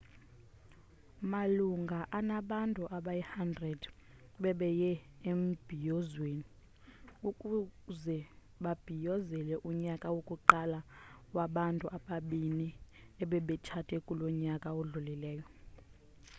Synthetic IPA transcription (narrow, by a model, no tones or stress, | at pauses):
maluŋɡʱaʔanaɓantʼuʔaɓajɛhandrɛd | ɓɛɓɛjɛem̩b̥ʱijɔzweni | ukʼuzɛ | ɓab̥ʱijɔzɛlɛʔuɲakʼawokʼuǃalawaɓantʼuʔaɓaɓiniɛɓɛɓɛt͡ʃʰatʰʼɛkʼulɔɲakʼaoɮulilɛːjɔ